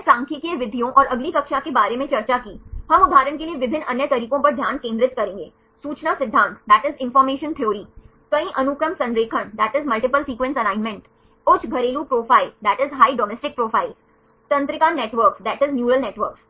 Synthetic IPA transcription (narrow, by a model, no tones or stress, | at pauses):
pɾãːŋkʰikeʋɪd̪ʱijõʔɔːɾɐɡlikɐkʃakebaːɾemẽt͡ʃɐɾt͡ʃakiːhɐmʊd̪ʱaːɾənkelieʋɪbʱɪnːɐnjət̪ɐɾiːkõpɐɾd̪ʱjaːnkẽːnd̪ɾɪt̪kɐɾẽːŋɡḛː | suːt͡ʃnasɪd̪ʱːãːnt̪d̪æːʈɪzɪ̃nfɔːɾmeːʃə̃nt̪ʰijoːɾi | kɐĩʔɐnʊkɾəmsɐ̃nɾeːkʰəɳd̪æːʈɪzmɐlʈɪpəlsiːkʋɛ̃nsɐnãːɪnmẽɳʈ | ʊt͡ʃʰɡʱɐɾeːlupɾoːfaːɪld̪æːʈɪzɦaːiɖɔːmɛːsʈɪk̚pɾoːfʰaːɪl | t̪ɐ̃nt̪ɾɪkaːnneːʈʋəɾkd̪ɛːʈɪznjuːɾəlneːʈʋəɾks